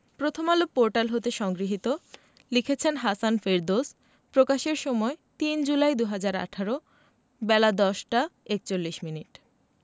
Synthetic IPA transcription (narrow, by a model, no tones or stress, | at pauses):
pɾot̪ʰomalopoɾʈalɦot̪eʃɔŋɡɾiɦit̪o | likʰet͡ɕʰenɦasanfeɾd̪os | pɾokaʃeɾʃɔmɔet̪ind͡ʑulajd̪uɦad͡ʑaɾa̰ʈʰaɾo | bɛlad̪ɔʃʈaek̚t͡ɕolːiʃminiʈ